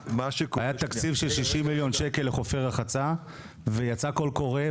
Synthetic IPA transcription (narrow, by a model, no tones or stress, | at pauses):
maʃekajat̪akt͡sifʃelʃiʃimːiljo̞nʃeke̞lːeχo̞feʁaχat͡sa | vejat͡sako̞lko̞ʁe